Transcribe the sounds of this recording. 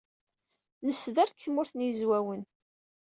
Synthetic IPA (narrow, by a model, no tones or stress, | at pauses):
nəsːðæɾkʰːəmʊɾθnjəzwæwən